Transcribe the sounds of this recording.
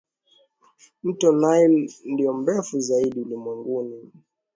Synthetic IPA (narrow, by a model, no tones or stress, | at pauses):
m̩tɔnailndiɔmbɛfuzaiɗiulimwɛŋɡuni